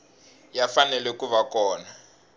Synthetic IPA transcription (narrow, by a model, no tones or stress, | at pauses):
jafanɛlɛkuβakɔːna